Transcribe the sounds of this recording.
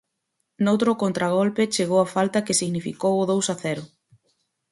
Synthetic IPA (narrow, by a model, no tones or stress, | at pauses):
nowt̪ɾʊkont̪ɾaɣ̞ɔlpet͡ʃeɣowafalt̪ɐkɪsiɣnifikowʊðowsɐθɛɾʊ